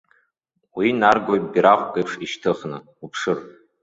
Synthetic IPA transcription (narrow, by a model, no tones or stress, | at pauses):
winarɡʷojbiɾaχʷkʼejpʰʂiʃtʰɨχnɨ | upʰʂɨr